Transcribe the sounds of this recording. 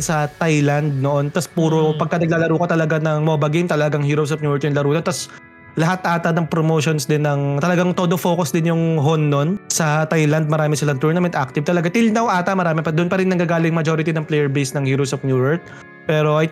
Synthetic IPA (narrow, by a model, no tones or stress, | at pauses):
sɐt̪ajlɐnd̪̚noʔont̪ɐspuːɾopɐɡ̚kɐnɐɡ̚laːlɐɾuːkɐt̪ɐlɐɡanɐŋmobɐɡejmt̪ɐlɐɡaŋhiːɾowsɐpnjuːɛɹt̪jʊŋlɐɾuːnɐnt̪ɐs | lɐɦat̪ʔaːt̪ɐnɐŋpɾomoːʃonsd̪ɪnːɐŋt̪ɐlɐɡaŋt̪od̪ofo̞ːkosd̪ɪnjʊŋɦonːonsɐt̪ajlɐnd̪̚mɐɾaːmɪsɐlɐnt̪uɹnɐmɛnt̪ʔak̚t̪ɪv̚t̪ɐlɐɡat̪ɪlnɐwʔaːt̪ɐmɐɾaːmɪpɐd̪ʊnpɐɾɪnːɐɡaːɡaːlɪŋmɐd͡ʒoːɾɪt̪inɐŋplɛjɛɹbejsnɐŋhiːɾowsɐfnuːɹɛɹt̪̚ | pɛːɾo̞ʔɐj